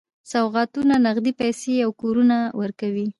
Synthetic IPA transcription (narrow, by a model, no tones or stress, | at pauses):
sawɣɑt̪unanaɣd̪ipajseawkoɾunawəɾkawi